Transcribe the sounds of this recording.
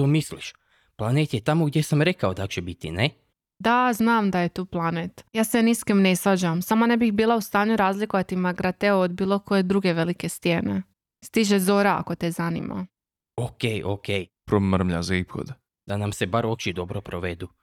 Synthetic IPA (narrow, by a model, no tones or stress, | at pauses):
t̪omisliʃ | plˠanet̪jet̪amoɡd̪jesamɾekaod̪at͡ʃebit̪ine | d̪aznaːmd̪ajet̪uːplˠanet̪jaːseniskemnesʋad͡ʑamsamanebixbiːlˠaust̪aːɲuɾaːzlikoʋat̪imaɡɾat̪eood̪biːlˠo̞ko̞je̞d̪ɾuɡe̞ʋe̞like̞st̪jene | st̪iʒezo̞ːɾaa̰ko̞t̪ɛzanḭmʔa̰ | okejokejpɾomr̩mʎa̰zaipxo̰d̪ | d̪anamsebaɾot͡ʃid̪obɾopɾoʋed̪u